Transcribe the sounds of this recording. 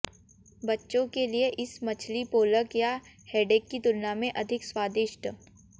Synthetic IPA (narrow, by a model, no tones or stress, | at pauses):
bɐtːʃõkelieʔɪsmɐt͡ʃʰlipoːləkja | hɛːɖeːkːit̪ʊnjamẽʔɐd̪ʱɪkswaːd̪ɪʃʈ